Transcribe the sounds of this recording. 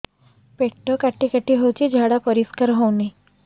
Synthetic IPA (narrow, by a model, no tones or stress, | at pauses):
peʈːɔkaʈikaʈiɦowt͡ʃid͡ʒʱaɽapəɾiskəɾɦowni